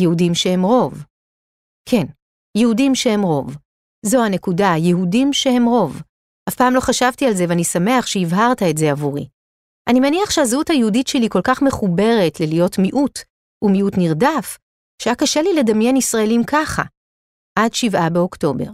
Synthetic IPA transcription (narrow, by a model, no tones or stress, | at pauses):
jehudimʃehe̞mʁo̞v | kʰe̞n | jehudimʃehemʁo̞v | zohane̞kudajeɦudimʃehe̞mʁo̞v | hafpaːmlo̞χaʃavtialze̞veanisame̞aχʃeivɦaʁtaetzeavuʁḭ | ʔanimaniaχʃeazuthajehuditʃeliko̞lkaχme̞χube̞ʁe̞tlelijo̞tmiʔut | umiutniʁdaf | ʃeakaʃelile̞damjenisʁae̞limkʰaχa̰ | ʔadʃivabeo̞kto̞be̞̰ʁ